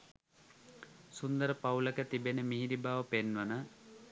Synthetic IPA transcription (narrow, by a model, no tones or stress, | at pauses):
sund̪əɾəpawləkət̪ibenəmiɦiɾibaːʋəpenʋənə